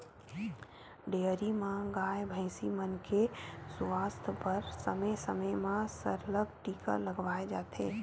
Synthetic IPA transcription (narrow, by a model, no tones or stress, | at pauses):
ɖeːɾimãɡaːjbʱə̃ɪsimənkʰesʋaːst̪ʰpəɾsəməsəməjmãsəɾləb̚ʈiːkə̰ləɡʋaːed͡ʒaːt̪ʰḛː